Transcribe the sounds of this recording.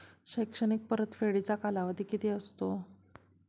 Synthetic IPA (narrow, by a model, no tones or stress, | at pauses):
ɕəjkʂəɳik̚pəɾət̪feɽit͡sakalaʋəd̪ʱiːkit̪iəst̪o